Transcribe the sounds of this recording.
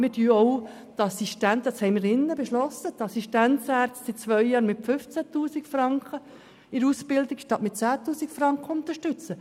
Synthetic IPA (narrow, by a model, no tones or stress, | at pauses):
mɪdyːɔʊ | t̪ɑsiʃtæntdɑshɛɪmɪːɾɪnːəbeʃlɔsət̪ɑsiʃtænt͡sæːɾt͡stsɪtt͡sʋœʏjɑːɾmɪtfʏft͡sæt̪uːsikfɾɑŋkχə | ɪɾuːspɪld̪ɪkʃtɑtmɪtt͡sæːt̪uːsikfɾɑŋkχəʊnt̪əɾʃtʏt͡sə